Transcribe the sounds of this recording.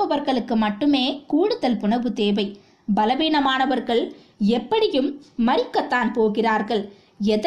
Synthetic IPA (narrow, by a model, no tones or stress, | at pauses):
ɐʋɐɾɣɐɭɯkːɯmɐʈːɯmeːkuːɽɯðɐlpʊɳɐʋɯt̪eːʋɐɪ | bɐlɐʋiːɳɐmaːnɐʋɐɾɣɐɭ | ɛpːɐɽɪjɯmːɐɾɪkːɐt̪ːaːnpoːɣɪraːɾɣɐɭ | ɛð